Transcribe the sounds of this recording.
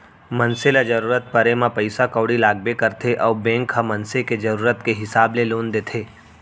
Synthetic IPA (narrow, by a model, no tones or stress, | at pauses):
mɐnselad͡ʒɐɾuːɾət̪̚pɐɾemãpɐɪsakəːɽilaːɡ̚bekəɾt̪ʰeʔɔːbẽːŋkʰɦamɐnseked͡ʒɐɾuːɾət̪keɦɪsaːbleloːnd̪eːt̪ʰeː